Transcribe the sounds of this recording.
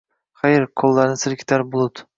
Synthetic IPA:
χɑjɪɾkʰolˠːaɾnɪsɪɾkʲʰɪ̥t̪ʰaɾbolˠʊd̪

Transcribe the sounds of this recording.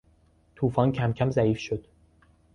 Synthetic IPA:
t̪ʰuːfɒːncʰæmcʰæmzæiːfʃod̪̥

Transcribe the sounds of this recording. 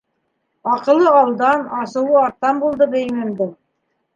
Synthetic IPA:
ɑqɤ̆lˠːɤɑlˠd̪ɑnɑsɤ̆wɤɑɾt̪ːɑnbulˠd̪ɤbɘ̆jɘ̆nɘ̆nd̪ɘ

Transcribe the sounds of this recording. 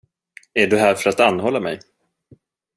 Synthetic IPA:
æɖɵɦæːɾfœɾat̪anːɦɔlːamɛ̰j

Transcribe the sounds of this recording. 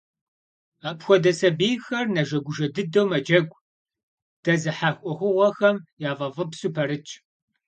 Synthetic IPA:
apxʷɔdɐsɐbeːjxɐrnɐʒɐɡʷʊʒɐdɨdɐwmɐd͡ʒɐɡʷʼ | d̥ɐzɨħaːxʷʼɔxʷʊʁʷɔxɐmjaːvɐvɨpsuːpʰɐɾɨt͡ʃʼ

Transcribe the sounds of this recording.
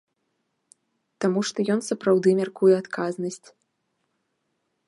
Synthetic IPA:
t̪amuʂt̪ɔjɔnsɐpɾawd̪ɨmʲarkujɛat̪kʰaznɐsʲt͡sʲ

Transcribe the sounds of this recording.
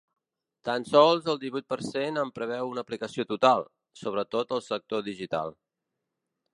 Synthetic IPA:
t̪ansɔlˠzəlˠd̪iβujt̪̚pəɾsenəmpɾəβɛwunəplikəsiot̪ut̪alˠ | soβɾət̪ot̪əlˠsək̚t̪oðiʒit̪a̰lˠ

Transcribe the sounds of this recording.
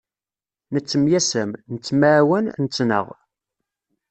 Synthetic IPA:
nət͡sːəmjæsəmnət͡sːmawənnət͡sːnə̰ʁ

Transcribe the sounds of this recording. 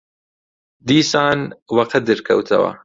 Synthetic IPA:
d̪iːsaːnwɐqʰɐd̪ɨɾkʰɐ̰wt̪ʰɐ̰wɐ̰

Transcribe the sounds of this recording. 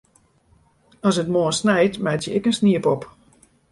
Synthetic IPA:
ɔsətmoːəsnɛjtmɛtjəɪkənsniəpɔp

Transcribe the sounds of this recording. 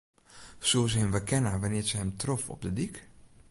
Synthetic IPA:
soːsəɦɪmʋəkʰɛnaʋanɪːɹzəɦɛmtrɔfɔ̰p̚dədik

